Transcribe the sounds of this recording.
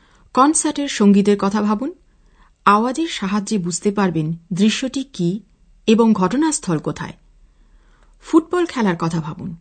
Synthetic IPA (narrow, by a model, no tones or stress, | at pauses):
kɔnsaɾʈeɾʃoŋɡid̪eɾkɔt̪ʰabʱabun | aoad͡ʑeɾʃaɦad͡ʑebud͡ʑʱt̪epaɾbend̪ɾiʃːoʈiki | eboŋɡʱɔʈonast̪ʰɔlkot̪ʰa̰e | fuʈ̚bɔlkʰɛlaɾkɔt̪ʰabʱabun